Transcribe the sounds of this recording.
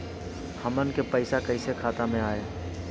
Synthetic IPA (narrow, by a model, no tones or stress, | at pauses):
həmənkepəɪsakəɪsekʰaːt̪amẽaːeː